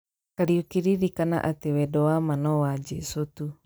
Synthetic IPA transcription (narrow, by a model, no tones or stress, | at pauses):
kaɾiukiɾiɾikana̰ʔat̪ewedoamanɔwad͡ʒisut̪u